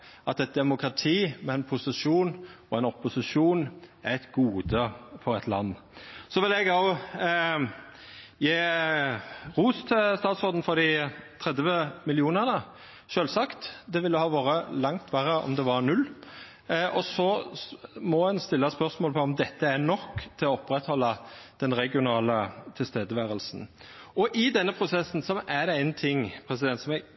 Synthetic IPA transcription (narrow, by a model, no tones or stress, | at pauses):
ʔɑt̪ɛt̪̚d̪ɛmʊkɾɑt̪ʰiːmɛɛnpʰʊsɪʂuːnɔɛnɔpːʊsɪʂuːnæɛt̪ɡuːd̪əfɔɾɛt̪lɑ̰nː | sɔʋɪlɛɡɑʊ | jeː | ʁuːst̪ʰɛlst̪ɑːt̪sɔd̪n̩fɔd̪ɪt̪ʰɾɛd̪ʋəmɪlɪuːnəʁnə | ʃøːlsɑkt̪d̪ɛʋɪlːəhɑːʋoːɾəlɑŋt̪ʰʋæɾəʔɔ̰md̪ɛʋɑɾnʉlː | ʔɔsɔ | mɔhɛnst̪ɪlːɑspœʁsmoɔːlpʰɔɔmd̪ɛt̪ːəænɔkːt̪ʰɪlɔɔpːɾɛt̪hɔlːɑd̪̥ɛnɾɛɡɪʊnɑːlət̪ʰɪlst̪eːd̪əʋæːɾəlsn̩ɔʔɪd̪ɛnːəpʰɾʊsɛsːn̩sɔʔæɖɛæɪnt̪ʰɪŋpʰɾɛsɪd̪ɛnt̪smɛ